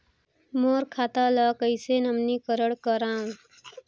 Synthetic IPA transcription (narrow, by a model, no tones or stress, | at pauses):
moːɾkʰaːt̪alaːkəɪsenəmnikəɾəɽkəɾãːŋ